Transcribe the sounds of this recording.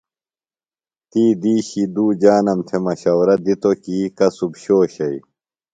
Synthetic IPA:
t̪iːd̪iːɕid̪uːd͡ʑaːnɐmt̪ʰemɐɕɐwɾɐd̪it̪okiːkɐsubɕoːɕɐi

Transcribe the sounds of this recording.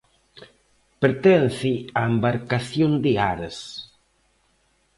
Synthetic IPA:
peɾt̪ɛnθiaembaɾkaθjond̪ɪaɾɐs

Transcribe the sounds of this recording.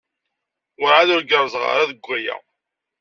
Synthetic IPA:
ʊɾʕaðʊɾɡəɾˤzʁɑ̰ɾaðəɡʷːæjæ̰

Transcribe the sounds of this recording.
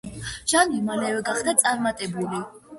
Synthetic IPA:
ʒ̥animalɛvɛɡaχd̪at̪sʼaɾmat̪ʼɛbuli

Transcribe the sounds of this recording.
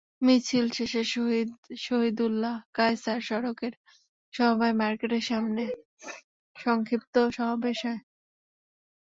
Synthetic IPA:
mit͡ɕʰilʃeʃeʃoɦid̪ʃoɦid̪ulːakajsaɾʃɔɾokeɾ | ʃɔbajmaɾkeʈeɾʃamne | ʃɔŋkʰip̚t̪oʃɔɦabeʃɔe

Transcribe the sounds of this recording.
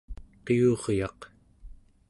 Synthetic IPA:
qiuʁjɑq

